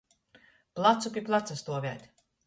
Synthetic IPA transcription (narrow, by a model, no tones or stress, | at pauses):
plˠat̪supʲiplˠat̪sast̪uɔvʲæ̰ːt̪ʲ